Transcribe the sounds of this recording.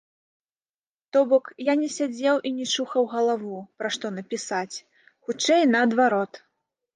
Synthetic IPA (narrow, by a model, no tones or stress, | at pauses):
t̪ɔbɔkjanʲɛsʲad͡zʲɛwʔinʲɛʂuxɐwɣɐlˠavupɾaʂt̪ɔnɐpʲisat͡sʲ | xut͡ʂɛjnɐːd̪vaɾɔt̪